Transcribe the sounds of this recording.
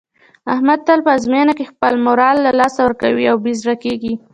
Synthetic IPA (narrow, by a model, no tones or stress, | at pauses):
ahmad̪̚t̪alpəzmenakexpəlmoɾɑlːalɑsawəɾkawiawbizɾakeɡi